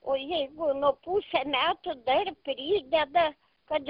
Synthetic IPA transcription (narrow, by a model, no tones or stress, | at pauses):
ojeɡʊnopuːsʲɛmʲæːt̪od̪ɐɾʲpʲɾʲiːd̪ʲɛd̪ɐ | kɐ